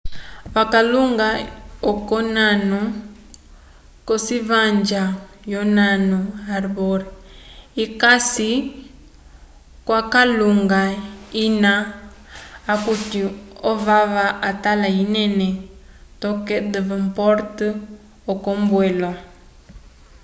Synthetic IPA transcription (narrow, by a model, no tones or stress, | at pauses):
βakaluŋɡaɔkɔnanu | kɔsiβaɲd͡ʒa | jɔnanuaɾβɔɾiikasi | kwakaluŋɡaina | kutiɔvaβaat̪alainɛnɛ | tɔkɛd̪ɛvɛmpɔɾt | ɔkɔmbwɛlwa